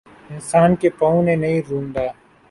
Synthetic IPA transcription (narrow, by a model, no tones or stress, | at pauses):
ɪnsaːnkepɐũnenɐɦĩɾũːnd̪aː